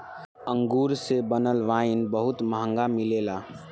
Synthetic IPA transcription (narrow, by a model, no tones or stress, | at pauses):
əŋɡuːɾsebənəlʋaːɪnbəɦʊt̪məɦə̃ŋɡamileːla